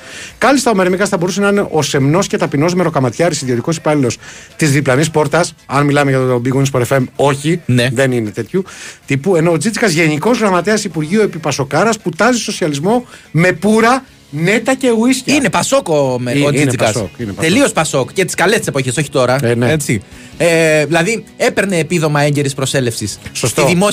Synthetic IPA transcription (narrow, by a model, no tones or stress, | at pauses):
kɐlist̪ɐomeɾmikɐsθɐbo̞ɾusenɐineʔo̞se̞mno̞sce̞t̪ɐpino̞zme̞ɾo̞kɐmɐt̪çɐɾisiðio̞t̪iko̞si̥pɐlilo̞st̪izðiplɐnispo̞ɾt̪ɐs | ɐnmilɐmeʝɐt̪obiɣuinspoɾefe̞mo̞çineðe̞nine̞t̪e̞t̪çut̪ipue̞no̞ːd͡zit͡sikɐzʝe̞niko̞zɣɾɐmɐt̪eɐsipuɾʝiuepipɐso̞kɐɾɐsput̪ɐzisoso̞siɐlizmo̞me̞puɾɐ | ne̞t̪ɐce̞uisçine̞pɐso̞komeoikɐsokineɐt̪e̞llio̞spɐso̞kcet̪i̥skɐlest̪ise̞po̞çeso̞çi̥t̪o̞ɾɐneet͡si | eðilɐðie̞pe̞ɾne̞ːpiðo̞mɐe̞ɲɟe̞ɾispɾose̞le̞fsissost̪iðimo